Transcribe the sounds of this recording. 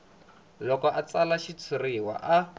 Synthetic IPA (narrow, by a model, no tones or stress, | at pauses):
lɔkɔʔat͡salaʃit͡sʰiriwa̰ʔa